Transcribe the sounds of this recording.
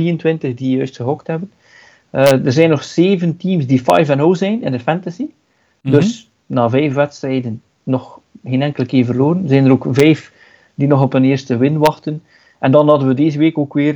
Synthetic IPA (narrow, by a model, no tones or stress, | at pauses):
iːəntwɪntəɣdijœɥstxəɦɔkthɛbən | dərzɛjnːɔxseːvəntiːmsdifɑ̰jvɛnowzɛjnɪ̰ndəfɛntasi | dɵs | naːvɛjfʋɛtstrɛjdənː | ɔxheːnɛŋkələkɪːrvərloːɾənzɛjnəɾoːkvɛjf | d̥inɔɣɔpənɪːrstəʋɪnʋɑxtən | ʔɛndɑnɦɑdənʋədeːzəʋeːkoːkʋɪːr